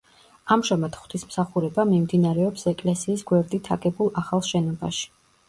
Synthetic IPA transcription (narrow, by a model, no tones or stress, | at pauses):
amʒamat̪χwt̪ʰismsaχuɾɛbamimd̪inaɾɛɔpsɛkʼlɛsiːsɡwɛɾd̪it̪ʰaɡɛbulˠaχalˠʃɛn̪ɔba̰ʃi̥